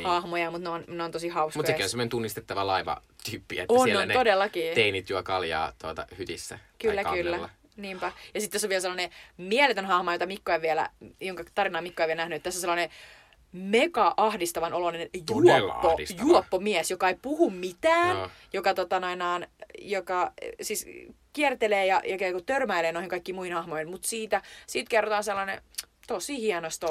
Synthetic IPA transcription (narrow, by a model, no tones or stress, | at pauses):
hɑhmojɑmut̪nonneont̪osihɑusmutkɑekːˑonsemonent̪unːist̪et̪ːɑʋɑlɑiʋɑ̰t̪yːpːiæ̰etːonnonnt̪odelːɑkiːt̪einit̪juɑkɑljɑ̰ːt̪uot̪ɑ̰hyt̪isːæ̰kylːækkylːælː | niːmpæjɑsit̪t̪ːæsːoʋielselːɑnemiɛlet̪ønɦɑhmɑjot̪ɑmikːoeʋʋiɛlæ̰joŋkɑt̪ɑrinɑːmikːoeʋielnæhnyet̪t̪ːæsːoselːˑɑne | mekɑʔɑhdist̪ɑʋɑnʔolonenjuopːojuɔopːomiɛsjokɑeipuhummit̪æːnjokɑt̪ot̪ɑnoinɑːnjokɑsiːskiɛrt̪eleːjɑjɑkekot̪ørmæileːnoihiŋkɑikːiːmuihinhɑhmoihinmut̪siːt̪æsiːt̪kerːot̪ɑːnselːɑnḛ | t̪osihiɛnost̪o